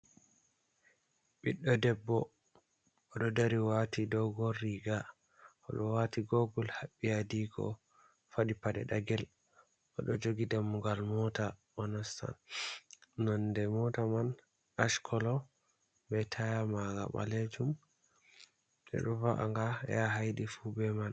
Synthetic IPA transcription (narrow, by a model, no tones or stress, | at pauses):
ɓiɗːɔdɛbːɔ | ʔɔɗɔdaɾiwatidɔɡɔrːiɡa | ʔɔ̰ɗɔwatiɡoɡɔlhaɓːijadiɡɔ̰ | faɗipadɛ̰ɗaɡɛl | ʔɔɗɔd͡ʒoɡidamːuɡalmɔta | ɔnasta̰n | nɔndɛmɔtaman | aʃkʰɔlɔ | bɛtʰajamaɡa̰ɓa̰led͡ʒum | ɗɛ̰ɗɔvaʔa̰ŋɡajaɦajɗifubɛman